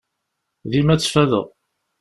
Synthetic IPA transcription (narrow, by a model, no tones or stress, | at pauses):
ðimæt͡sːfæðə̰ʁ